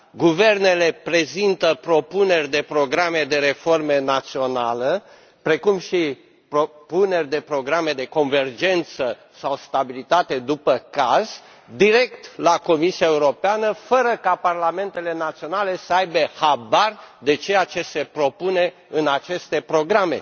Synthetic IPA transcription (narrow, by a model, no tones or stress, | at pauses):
ɡuve̞rne̞le̞pɾe̞zint̪əpɾo̞pune̞rʲd̪e̞pɾo̞ɡɾame̞d̪e̞ɾe̞fo̞rme̞nat̪sio̞nalə | pɾe̞kumʃi | pɾopune̞rʲd̪e̞pɾo̞ɡɾame̞d̪e̞ko̞nve̞rd͡ʒe̞nt̪sə | sawst̪abilit̪at̪e̞d̪upəkaz̥ | d̪iɾe̞kt̪lako̞misiaeuɾo̞peanəfəɾəkaparlame̞nt̪e̞le̞nat̪sio̞nale̞səajbehabard̪e̞t͡ʃe̞jat͡ʃe̞se̞pɾo̞pune̞ | ɨnat͡ʃe̞st̪e̞pɾo̞ɡɾame̞̰